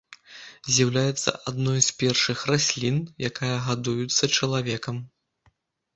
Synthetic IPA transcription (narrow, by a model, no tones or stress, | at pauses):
zʲjawlʲajɛt̪sːɐ̰ʔad̪nɔjspʲɛrʂɨxrasʲlʲinjakajɐɣad̪ujut̪sːɐt͡ʂɐlˠavʲɛkɐm